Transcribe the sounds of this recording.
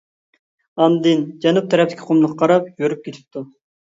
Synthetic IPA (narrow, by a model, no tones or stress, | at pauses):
ɑnd̪ɨnd͡ʒɛnup̚t̪ʰɛɾɛp̚t̪ɪ̥kʲʰi̥qʰomnəqqʰɑɾɑpjøɾyp̚kʲʰet̪ʰɪ̥p̚t̪ʰu